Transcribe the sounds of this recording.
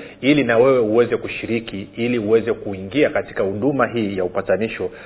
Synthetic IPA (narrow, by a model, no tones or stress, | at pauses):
ilinawɛwɛuwɛzɛkuʃiɾikiiliuwɛzɛkuiŋɡiakati̥kahuɗumaɦiːjaupataniʃɔ